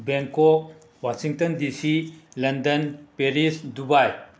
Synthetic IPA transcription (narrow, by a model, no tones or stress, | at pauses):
beŋkɔk̚ | wasiŋtɐndisilɐndɐnpeɾisdubaj